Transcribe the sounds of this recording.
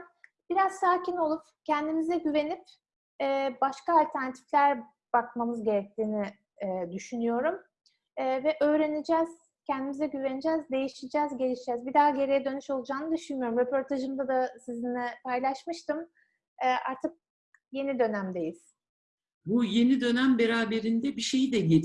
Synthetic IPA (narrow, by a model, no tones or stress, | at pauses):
b̥iɾaz̥saːcʰino̞lˠup | cʰɛnd̪imizɛɟyve̞nip | ɛːbaʃkaːlʲt̪ʰæɾnat̪ʰi̥flʲæɾ | b̥akmamɯzɟe̞ɾɛc̚t̪ʰiːnɪː | d̪yʃynyjo̞ɾumː | vɛʔø̞ːɾe̞nid͡ʒɛːz̥ | cʰɛnd̪imizɛɟyve̞nid͡ʒɛːzd̪e̞jiʃid͡ʒɛːzɟe̞lʲiʃd͡ʒɛːzbid̪aːɟe̞ɾejɛd̪ø̞nyʃo̞lˠud͡ʒaːnɯd̪yʃynmyjo̞ɾumɾepʰo̞ɾt̪ʰaʒɯmd̪ad̪asizinɛpʰajlˠaʃmɯʃt̪ʰɯm | ɛːʔa̰ɾt̪ʰɯk̚ | je̞nid̪ø̞næmd̪e̞jiz̥ | buje̞nid̪ø̞næmbeɾaːbe̞ɾind̪ɛbiʃejid̪ɛɟe